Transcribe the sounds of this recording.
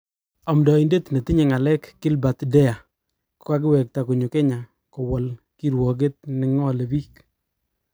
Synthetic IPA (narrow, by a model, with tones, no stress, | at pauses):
ɔ˨mdɔ˨i˨nde˦tne˨ti˦ɲe˨ŋa˨lɛ˦kːɪ˦lba˨tdɛ˦ja˨ | kka˦k̬ɪ˦wɛ˨k̚ta˨ku˨ɲu˨ke˦ɲa˨ | ko˨wɔ˨l | ki˦ɾwɔ˨ɡ̬e˦t̚nɪ˨ŋɔ˦le˨biː˦k